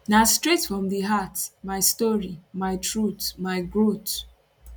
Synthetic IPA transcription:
nastɹetfɹɔ̃mðəɦatmaɪstɔɹimaɪtɹutmaɪɡɹot

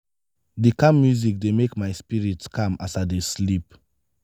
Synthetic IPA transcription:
dikãmːjuzik̚demekmaɪspiɹitskʰãmasadeslip̚

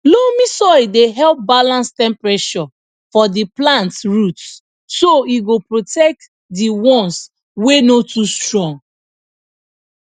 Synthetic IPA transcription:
lomĩsɔideɦɛlp̚balãnstɛ̃mpɹeʃɔ | fɔdiplãntɹut | soiɡopɹotɛk̚t | diwɔ̃ns | wenotustɹɔ̃ŋ

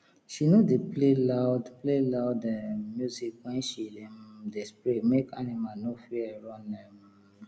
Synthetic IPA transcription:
ʃinodeplelaʊdplelaʊdɛmjuzikwɛ̃nʃidedespɹemekanimanofiɹɔ̃nɛm

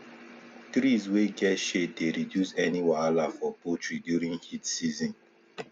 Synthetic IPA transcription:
tɹizweɡɛtʃedeɹidjusɛniwalafɔpotɹidjuɹĩŋhitsizɔ̃n

